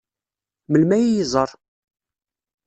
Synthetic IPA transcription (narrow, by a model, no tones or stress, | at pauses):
məlmæjijzˤəɾˤ